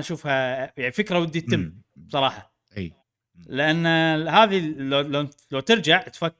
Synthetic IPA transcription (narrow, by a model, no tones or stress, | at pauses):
ʔʃuːfhajaʕnifɪkɾawɪd̪ːit̪ːɪmːb̥sˤɑɾˤɑːħɑ | lɪʔanːhaːðilalalawt̪ɪɾd͡ʒaʕt̪fa